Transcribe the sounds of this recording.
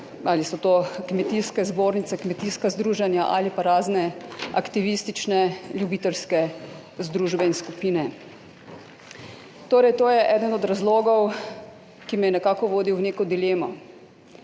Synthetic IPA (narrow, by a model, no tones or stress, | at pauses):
alisɔt̪oːkmɛt̪iːskɛzboːɾnit̪sɛkmɛt̪iskazd̪ɾuːʒanjaʔa̰lipaɾaːznɛa̰kt̪iʋist̪it͡ʃnɛljubiːt̪ɛlskɛ | zd̪ɾuːʒbɛinskupiːnɛ | t̪oːɾɛjt̪oːjɛʔɛːd̪ənɔd̪ɾazloːɡɔw | kimɛjɛnɛkaːkɔʋoːd̪iwneːkɔd̪ileːmɔ